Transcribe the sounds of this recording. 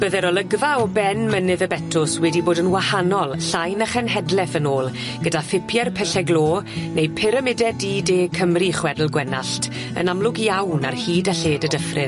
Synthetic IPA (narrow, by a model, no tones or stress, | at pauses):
b̥əðɛɾɔlˠəɡvaɔbɛnmənɨðəbɛtʰʊswɛdiboːdənwahanɔlˠɬajnaχɛnhɛdlɛθənoːlˠ | ɡ̥ədafɪpʰjɛrpʰɛɬɛɡlˠoːnejpʰɪɾəmɪdɛdideːkʰəmriχwɛdl̩ˠɡwɛnaɬtʰ | ə̰namlˠʊɡiawna̰rhiːdaɬeːdədəfrɪ